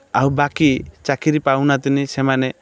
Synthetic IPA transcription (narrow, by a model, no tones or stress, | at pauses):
awbakit͡ʃakiɾipawnat̪inisɛmane